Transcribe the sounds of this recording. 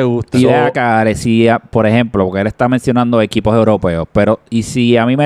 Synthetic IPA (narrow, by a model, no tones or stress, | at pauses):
eɣut̪iβeakaɾesiapo̞ɾe̞hẽ̞mplopokeele̞st̪amensjo̞nãnd̪o̞e̞kipo̞se̞wɾo̞pe̞ospe̞ɾo̞isiamime